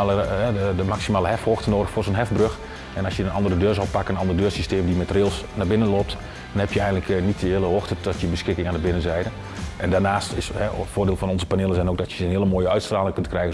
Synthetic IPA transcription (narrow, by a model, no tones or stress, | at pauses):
ləɛəəmaksimaːləɦɛfhoxtənoːdəxfʊːrsoːnɦɛfbrøx | ɛnɑsjəənʔɑndərədøːrzɔlˠpakənənɑndərdøːrsisteːmdimɛtrɪlˠsnabɪnənlop̚t | d̥ɔnhɛpjəɛjɣəndləknitəɪːlˠəoxtədɔtjəbəsxɪkɪŋaːndəbɪnənzɛjdə | ʔɛndaːrnaːstɪshɛfʊːrdɪːlˠfɔnɔnzəpaneːlˠəsɛnoːk̚dɔtjənɦɪələmoːjəœɥtstraːlɪŋkøntkrɛjɣə